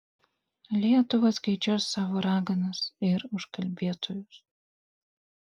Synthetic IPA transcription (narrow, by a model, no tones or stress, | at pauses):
lʲiɛt̪ʊʋɐskɐɪd͡ʒʲusːɑːʋoːɾɑːɡɐnɐsɪɾʊʃkɐlʲbʲiɛt̪oːjʊs